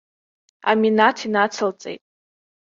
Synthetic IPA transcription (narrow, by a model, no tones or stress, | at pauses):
a̰minatʰinat͡sʰəlt͡sʼḛjtʼ